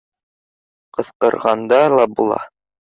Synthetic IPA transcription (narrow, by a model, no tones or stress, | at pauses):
qɤ̆θqɤ̆ɾʁɑnd̪ɑlˠɑbulˠɑ̰